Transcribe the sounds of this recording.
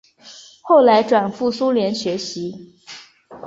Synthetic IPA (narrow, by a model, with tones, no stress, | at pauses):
xo˥˩ʊla˧˥ɪʈ͡ʂwa˨˩nfu˥˩su˥ljɛ˧˥nɕɥɛ˧˥ɕi˧˥